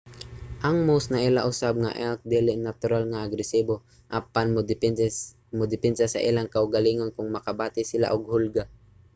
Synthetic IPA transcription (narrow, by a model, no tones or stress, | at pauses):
ʔɐŋmosnɐʔɪlaʔʊsab̚ŋa̰ʔɛk̪̚d̪ɛlɪnat̪ʊɾalŋaʔːɡɾɛsiːbo | ʔɐpanmʊ | mʊd̪ɪpɛnsasɐ̰ʔɪ̰laŋkaʔʊɡaliːŋonkʊŋmɐkabaːt̪ɪsɪla̰ʔʊɡ̚hʊlɡa